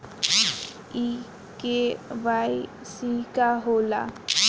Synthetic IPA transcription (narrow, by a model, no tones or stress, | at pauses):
i | keʋai | sikaɦoːla̰